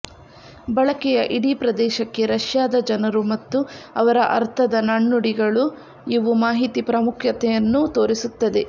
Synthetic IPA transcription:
bɐɭɐkɛjɐʔiɽipɾɐd̪ɛːʃɐkːe̞ɾɐʃjaːd̪ɐd͡ʒɐnɐɾumɐt̪ːuɐʋɐɾɐʔɐ̰ɾt̪ʰɐd̪ɐnɐɳːuɽiɡɐɭu | iʋumaːɦit̪ipɾɐmukʰjɐt̪ɛjɐnːut̪o̞ːɾisut̪ːɐd̪e̞

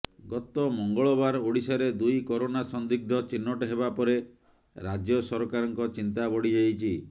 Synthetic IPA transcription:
ɡɔt̪ɔmɔŋɡɔɭɔbaɾoɽisaɾed̪ujkɔɾonasɔnd̪iɡ̚d̪ʱɔt͡ʃinːɔʈeɦebapɔɾe | ɾad͡ʒjɔsɔɾɔkaɾɔŋkɔt͡ʃint̪abɔɽid͡ʒajt͡ʃʰi

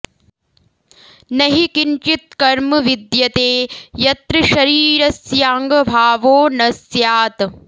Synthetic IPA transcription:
nɐɦikint͡ʃit̪̚kɐɾmɐʋid̪jɐt̪eːjɐt̪ɾɐʃɐɾiːɾɐsjaːŋɡɐbʱaːʋoːnɐsjaːt̪

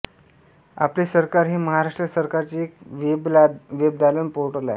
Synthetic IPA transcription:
a̰plesəɾkaɾɦiːməɦaɾaʂʈɾəsəɾkaɾt͡ɕiekʋebʋeb̚d̪alənpoɾʈəɾla̰

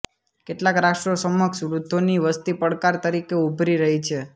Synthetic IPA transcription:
keʈlakɾakʃʈɾosəmːəksɾud̪ʱːoniʋəst̪ipəɽkaɾt̪əɾikeubʱɾiɾəɦit͡ʃʰe

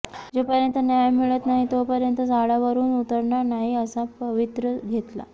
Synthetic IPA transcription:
d͡zopəɾjənt̪ənjajmiɭət̪naɦit̪opəɾjənt̪əd͡zaɭjaʋəɾuːnut̪əɾɳanaɦiəsapəʋit̪ɾəɡʱet̪la̰

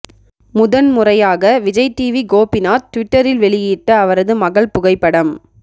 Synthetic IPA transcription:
mʊðɐnmʊrɐjaːɣɐʋɪd͡ʒɐɪʈːiːʋiɡoːpːɪnaːt̪ːʊʋɪʈːɐɾɪlʋɛɭɪjiːʈːɐːʋɐɾɐðɯmɐɣɐɭpʊɣɐɪpːɐɽɐm

